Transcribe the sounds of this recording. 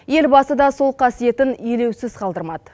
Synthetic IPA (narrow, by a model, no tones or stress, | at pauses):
je̞lbɑsəd̪ɑso̞lˠqʰɑsije̞t̪ɪnijle̞wsɪzqʰɑlˠd̪əɾmɑd̪ə